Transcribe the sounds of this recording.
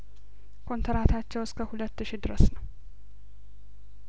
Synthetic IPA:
kʰo̞nt̪ʰəɾat̪ʰat͡ʃːɛwɪskʰəhulət̪ːɨʃid̪ɨɾəsnəw

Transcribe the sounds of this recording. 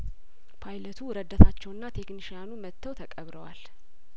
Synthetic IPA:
pʰajlət̪ʰuɾəd̪ːət̪ʰat͡ʃːɛwɨnːat̪ʰekniʃjanumət̪ʰːəwt̪ʰəkʼəβɾəwal

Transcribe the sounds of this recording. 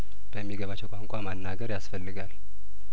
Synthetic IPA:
b̥əmːiɡəβat͡ʃːɛwkʷʼaŋkʷʼamanːaɡəɾjasfəlːɨɡal

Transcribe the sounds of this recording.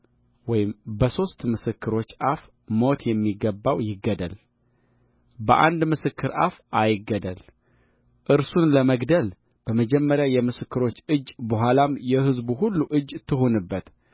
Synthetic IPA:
wɔjɪmbəso̞st̪mɨsɨkːɨɾo̞t͡ʃːaf | mo̞t̪jɛmːiɡːəbːawjɪɡːəd̪ə̰l | bəʔa̰nd̪mɨsɨkʰːɨɾʔa̰fajɪɡːəd̪əl | ʔɨɾsunləməɡd̪əl | b̥əməd͡ʒɛmːəɾjajɛmɨsɨkːɨɾo̞t͡ʃːɨd͡ʒːbəɦʷalamjɛhɨzbuɦulːuʔɨd͡ʒːt̪ʰːɨɦonɨbːət̪

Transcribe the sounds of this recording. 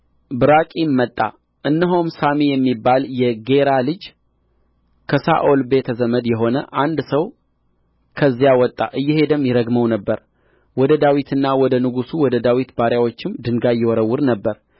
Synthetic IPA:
bɨɾakʼimːət̪ʼːa̰ | ʔɨnːɨɦomsamijɛmːibːaljɛɡe̞ɾalɨd͡ʒ | kʰəsa̰ʔolbe̞t̪ʰəzəməd̪jɛɦo̞nə̰ʔand̪səw | kʰəzːijawɔt̪ʼːa̰ʔɨjːɛhe̞d̪əmjɪɾəɡməwnəbːəɾ | wɔd̪əd̪awit̪ʰɨnːawɔd̪ənɨɡusuwɔd̪əd̪awit̪baɾjawo̞t͡ʃːɪmd̪ɨŋɡajɛwɔɾəwːʊɾnəbːəɾ

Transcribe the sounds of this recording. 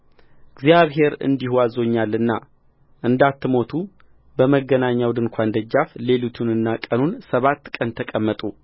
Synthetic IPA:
ɡzijaβɦe̞ɾɨ̰nd̪ihwazo̞ɲːalːɨnːa̰ | ʔɨnd̪at̪ːɨmo̞t̪ʰu | bəməɡənaɲːawd̪ɨŋkʷʰand̪əd͡ʒːafle̞lut̪ʰunɨnːakʼənunsəβat̪ːkʼənt̪ʰəkʼəmːət̪ʼu

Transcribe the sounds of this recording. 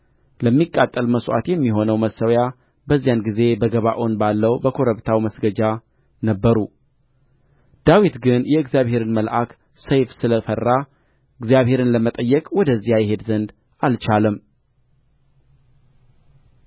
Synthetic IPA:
ləmːikʼːat̪ʼːəlməsʔa̰t̪jɛmːiɦo̞nəwməsəwja | bəzːijanɡize̞bəɡəβaʔonbalːəwbəkʰo̞ɾəβt̪ʰawməsɡəd͡ʒa | nəbːəɾu | d̪̥awit̪ɡɨnjɛɨɡzijaβhe̞ɾɨnməlʔak | səjfsɨləfərːa | ɨɡzijaβhe̞ɾɨnləmət̪ʼəjːɛkʼwɔd̪əzːijajɛɦe̞d̪zənd̪ | alt͡ʃalɨm

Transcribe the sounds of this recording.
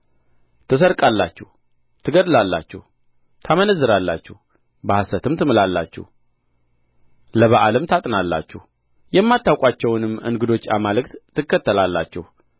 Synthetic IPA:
t̪ʰɨs̬əɾkʼalːa̰t͡ʃːɛh | t̪ʰɨɡəd̪ɨlalːa̰t͡ʃːɛ̰h | t̪ʰamənəzːɨɾalːa̰t͡ʃːɛ̰h | bəhasət̪ʰɨmt̪ʰɨmɨlalːa̰t͡ʃːɛ̰h | ləβəʔaləmt̪ʰat̪ʼnalːa̰t͡ʃːɛh | jɛmːat̪ːawkʷʼat͡ʃːɛwnɨmɨ̰ŋɡɨd̪o̞t͡ʃːamalɨkt̪ʰːɨkːət̪ʰːəlalːa̰t͡ʃːɛ̰hu

